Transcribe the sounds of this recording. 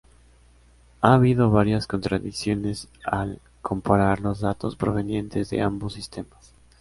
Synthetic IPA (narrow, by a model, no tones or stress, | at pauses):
aːβiðo̞βaɾjasko̞nt̪ɾaðiksjo̞ne̞sal | kʰo̞mpaɾaɾlo̞zðat̪o̞spɾo̞β̞e̞nje̞nt̪ʰe̞zðe̞̰ambosːist̪e̞mas